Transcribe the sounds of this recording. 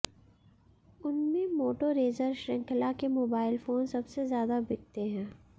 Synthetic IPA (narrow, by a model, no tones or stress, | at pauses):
ʊnmẽmoːʈoɾeːzəɾʃɾɪ̃ŋkʰlakemoːbaːɪlfoːnsɐbsezjaːd̪abɪɡ̚t̪eɦɛ̃ː